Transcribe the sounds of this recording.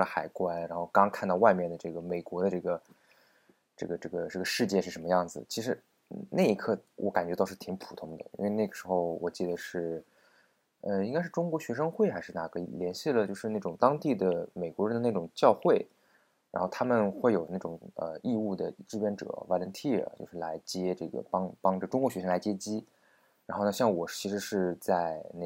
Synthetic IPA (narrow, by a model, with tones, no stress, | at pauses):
lə˧˦xa˨˩ɪkwa˥nɻa˧˥nxo˥˧ʊkɑ˥ŋɑ˥kʰa˥˧nt̪ɑ˥˧wa˥˧ɪmjɛ˥˩nd̪ə˩ʈ͡ʂɤ˥˩ɡə˩me˨˩ɪkwɔ˧˥d̪ə˧ʈ͡ʂɤ˥˩ɡə˩ | ʈ͡ʂɤ˥˩ɡə˩ʈ͡ʂɤ˥˩ɡə˩ʈ͡ʂɤ˥˩ɡə˩ʂɻ̩˥˧t͡ɕjɛ˥˧ʂɻ̩˥˩ʂə˧˥nmə˧jɑ˥˩ŋd͡zɹ̩˩t͡ɕʰi˧˥ʂɻ̩˧˥˧ | na˥˩ɪi˧˥kʰɤ˥˩wʔɔ̰˧˥ka˨˩nt͡ɕɥɛ˧˥t̪ɑ˥˧ʊʂɻ̩˥˩t̪ʰi˧˥ŋpʰu̥˨˩t̪ʰʊ˥ŋd̪ə̰˧ḭ˥we˥˧ɪna˥˩ɡə˩ʂɻ̩˧˥xo˥˧ʊwɔ̰˨˩t͡ɕi˥˩d̪ə˩ʂɻ̩˥˩ | ə˧i˥ŋka˥ɪʂɻ̩˥˩ʈ͡ʂʊ˥ŋkwɔ˧˥ɕɥɛ˧˥ʂɤ˥ŋxwe˥˩ɪxa˧˥ɪʂɻ̩˥˧na˥˩kʰɤ˧˥ḭ˨˩ljɛ˧˥nɕi˥˩lə˨˩t͡ɕjo˥˧ʊʂɻ̩˧na˥˩ʈ͡ʂʊ˨˩ŋt̪ɑ˥ŋt̪i˥˩d̪ə˩me˨˩ɪkwɔ˧˥ɻə˧˥d̪ə˧na˥˩ʈ͡ʂʊ˨˩ŋt͡ɕjɑ˥˧ʊxwe˥˩ɪ | ɻa˧˥nxo˥˩t̪ʰa˥mə˨nxwe˥˩ɪjo˨˩ʊna˥˩ʈ͡ʂʊ˨˩ŋə̰˧i˥˧u˥˩d̪ə̰˩ʈ͡ʂɻ̩˥pjɛ˧˥nʈ͡ʂɤ̰˨˩˦wa˧˥lə˧˥nt̪ʰḭ˥˩t͡ɕjo˥˧ʊʂɻ̩˥˩la˧˥ɪt͡ɕjɛ˥ʈ͡ʂɤ̰˥˩ɡə̰˩pɑ˥ŋpɑ˥ŋʈ͡ʂʈ͡ʂʊ˥ŋkwɔ˧˥ɕɥɛ˧˥ʂɤ˥la˧˥ɪt͡ɕjɛ˥t͡ɕi˥ | ɻa˧˥nxo˥˧n˧ɕjɑ˥˩ŋwɔ˨˩t͡ɕʰi˧˥ʂɻ̩˧˥ʂɻ̩˥˧t͡sa˥˧ɪne˥˩